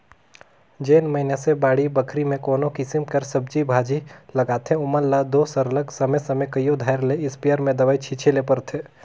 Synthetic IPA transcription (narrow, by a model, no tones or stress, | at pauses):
d͡ʒeːnməɦɪnasebaːɽibəkʰɾimẽkoːnõkɪsɪmkəɾsəb̚d͡ʒibʱaːd͡ʒilɐɡaːt̪ʰẽʊməlːad̪oːsəɾləksɐməsɐmekəjod̪ʱaːɪɾleɪspiəɾmẽd̪ɐʋaːit͡ʃʰiːt͡ʃʰelepəɾt̪ʰe